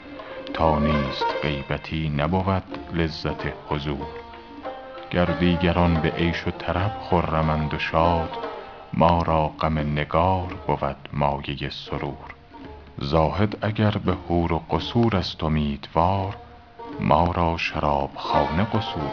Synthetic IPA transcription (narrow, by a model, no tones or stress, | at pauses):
t̪ʰɒːniːst̪ɢe̞jbæt̪ʰiːnæbovæd̪̥lezːæt̪ʰehozuːɾ | ɡ̥æɾd̪iːɡæɾɒnbeʔejʃot̪ʰæɾæb̥χoɾːæmænd̪oʃɒːd̪̥ | mɒːɾɒːɢæmeneɡɒːɾb̥ovæd̪̥mɒːje̞jesoɾuːɾ | zɒːhe̞d̪æɟæɾbehuːɾoɢosuːɾæst̪ʰomiːd̪vɒːɾ | mʔɒːɾɒːʃæɾɒːb̥xɒːneɢosuːɾ